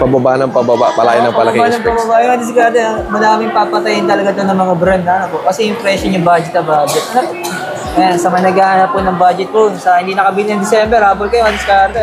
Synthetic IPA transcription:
pɐbabaʔnɐŋpɐbaba̰ʔpɐla̰ːjɪnɐŋpɐlɐbanɐŋpɐbabaʔjʊŋɐd̪ɪs̬kaɾt̪ɛmɐd̪aːmɪŋpapɐt̪ɐjɪnt̪ɐlɐɡat̪onɐŋmɐŋabɾɐnd̪anɐpoʔkɐsɛjʊŋpɾɛʃonɲʊŋbaːd͡ʒɛt̪ɐbaːd͡ʒɛt̪̚ | asɐmɐnɐɡaːʔanɐpːonɐŋbaːd͡ʒɛt̪̚posɐhɪnd̪iːnɐkɐbiːlɪnɐŋd̪ɪsɛmbɛɾaːbʊlkɐjʊŋʔɐd̪ɪskaɾt̪ɛ

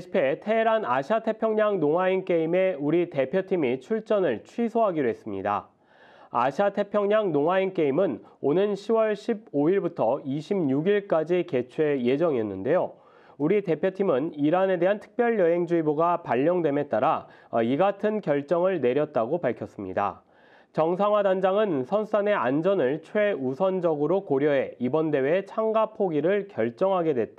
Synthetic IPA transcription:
ɕʰi̥pʰe̞tʰe̞ɾanaɕʰiatʰe̞pʰjʌŋɲaŋnoŋwaink͈e̞ime̞uɾite̞pʰjʌtʰimit͡ɕʰuɭt͡ɕ͈ʌnɯɭt͡ɕʰwisʰoɦaɡidoɦe̞s͈ɯmɲḭda̰ | a̰ɕʰiatʰe̞pʰjʌŋɲaŋnoŋɦaink͈e̞imɯnonɯnɕʰiwʌɭɕʰib̚oiɭbutʰʌiɕʰimɲuɡiɭk͈ad͡ʑike̞t͡ɕʰwe̞je̞d͡ʑʌŋiɦenːɯnde̞jo | uɾite̞pʰjotʰimɯniɾane̞de̞ɦantʰɯ̥k̚p͈jʌɭjʌɦe̞ŋd͡ʑuiboɡapaʎːʌŋdwe̞me̞t͈aɾaiɡatʰɯnkjʌɭt͡ɕ͈ʌŋɯɭne̞ɾjʌt̚t͈aɡopaɭkʰjʌs͈ɯmɲḭda̰ | t͡ɕʌŋsʰaŋɦwadand͡ʑaŋɯnsʰʌns͈ane̞and͡ʑʌnɯɭt͡ɕʰwe̞usʰʌnd͡ʑʌɡɯɾokoɾjʌɦe̞ibʌnde̞wet͡ɕʰaŋɡapʰoɡiɾɯɭkjʌɭt͡ɕ͈ʌŋɦaɡe̞dwe̞t̚t͈

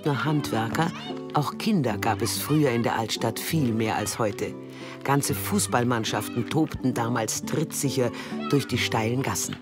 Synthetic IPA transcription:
nɐhantv̥ɛɐkɐ | ʔaʊxkʰɪndɐɡaːpɛsfʁ̥yːɐɪndeːɐʔaltʃtatfiːlmeːɐʔa̰lshɔʏtʰə | ɡ̥ant͡səfuːsb̥almanʃaftn̩tʰoːptn̩daːmaːlstʁ̥ɪtz̥ɪçɐ | d̥ʊɐçd̥iːʃtaɪlənɡasn̩

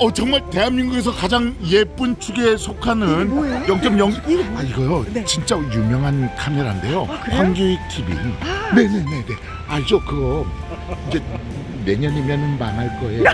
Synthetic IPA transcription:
ʌt͡ɕʌŋmaɭte̞ɦamɲiŋɡuɡe̞sʰʌkad͡ʑaŋje̞p͈ɯnt͡ɕʰuɡesʰokʰanɯnjʌŋt͡ɕ͈ʌmjʌŋiɡʌjot͡ɕint͡ɕ͈ajumjʌŋɦankʰameɾaɦnde̞jokwaŋɡuitʰibḭne̞ne̞ne̞ne̞ | aɾd͡ʑokɯɡʌ | ind͡ʑe̞ | ne̞ɲʌɲimenɯnmanɦaɭk͈ʌe

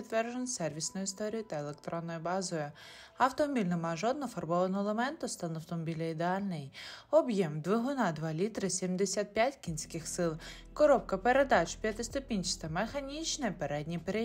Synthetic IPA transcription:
ɪt̪ʋɛrʒonsɛrʋʲisnʊjʊist̪ɔɾʲijʊt̪ɐelˠek̚t̪ɾɔnːɔjʊbɑzɔjʊ | ɐwt̪ɔmɔbʲilʲnemɑjʒɔd̪̚nɔfɐrbɔʋɐnɔlˠemɛnt̪ʊst̪ɑnɐwt̪ɔmɔbʲilʲɐid̪eɑlʲnɪjɔbjɛmd̪ʋɪɦʊnɑd̪ʋɑlʲit̪ɾɪsʲimd̪esʲat̪̚pʲjatʲkʲinsʲkɪxsɪlˠ | kɔɾɔp̚kɐpeɾe̞d̪ɑt͡ʃpʲjɐt̪ɪst̪ʊpʲinʲt͡ʃɪ̥st̪ɐmexɐnʲit͡ʃnɛpeɾɛd̪ʲnʲipeɾe

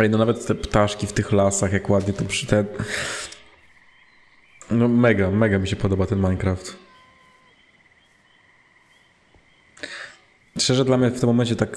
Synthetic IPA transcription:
lʲinɔnavɛt̪ːɛpt̪aʂkʲift̪ɘxlasaxjakwad̪ɲɛt̪ɔpʂt̪ɛ | nɔmɛɡamɛɡamʲiɕɛpɔd̪ɔbat̪ɛnmajkɾaft̪ | ʂt͡ʃɛʐɛd̪lamɲɛft̪mːɔmɛɲt͡ɕɛt̪ak

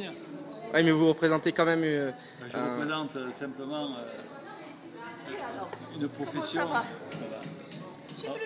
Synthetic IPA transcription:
i | wʔɛmɛvuʁəpχezɑ̃t̪ekɑ̃mɛmyø | ɛʒʒəɛʁəpχezɑ̃t̪øsɛ̃pləmɑ̃ø | ynpχɔfesjɔ̃vwala

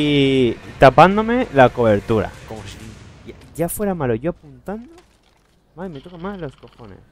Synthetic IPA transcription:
it̪apand̪omelakoβeɾt̪uɾa̰komosiaʝafwe̞ɾamaloʝoapunt̪and̪o | majmet̪okamaslo̞skoxonḛs

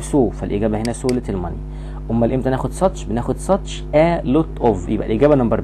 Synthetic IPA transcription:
bsoːfælʔiɡæːbæhenæsoːlet̪elmɑni | ʔomːælʔemt̪ænæːxod̪sˤɑt̪ˤʃbenæːxod̪sˤɑt̪ˤʃ | ʔælot̪ʔovjḛbʔæ̰lʔiɡæːbænɑmbɑɾˤ

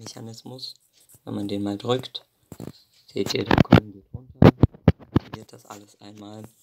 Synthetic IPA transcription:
mɛça̰nɪsmʊs | vɛnmandeːnmaːldʁʏkt | z̥ḛːt̚d̥eːɐdḛːkʰɔ̰lənbɪtʔʊntɐ | liːɐt̚d̥asʔa̰ləsʔa̰ɪnmaːl

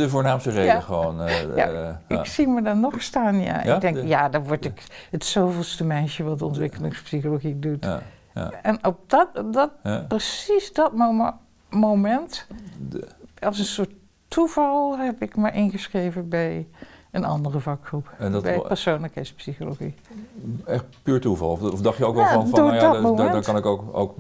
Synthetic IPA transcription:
dəvoːɹnaːmstəredəχəʋo̰na̰ɪksimədɔnɔxstaːnja̰ʔɪdɛŋjadɔʋɔɹtɪkətsoːvɪlˠstəmɛjʃjəʋɑdəɔntʋɪkəlɪŋspsixoloxidut | ɛnɔp̚dtdɔt̚prəsisdɔt | momɛnt | ɔlˠs̬ənsʊətʰ | uv̥ɑlˠɦɛpɪkmajʔɪnɣəsxreːvənbɛjənɑ̰ndərəvɑkxrupbɛjpərsoːnləkhɛjtspsixoloxḭ | ɛxtpyːɹtuvɑ̰lˠɔɔfdɑxtjəoːkʋɛlanddʊjdɔmomɛkɑnɪkoko̰wk

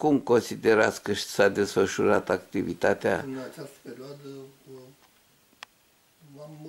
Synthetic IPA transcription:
kumko̞nsid̪e̞ɾat̪skəʃsad̪e̞sfəʃuɾat̪akt̪ivit̪at̪ea̰

